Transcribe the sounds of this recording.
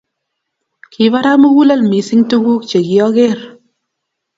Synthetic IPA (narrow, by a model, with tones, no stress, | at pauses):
kʰi˨˦va˦ɾa˦mu˦wu˦la˦lmi˨˦si˦ŋtu˦ɡu˦k̚t͡ʃe˨ɡi˨˦ɔ˦ɣe˦˨ɾ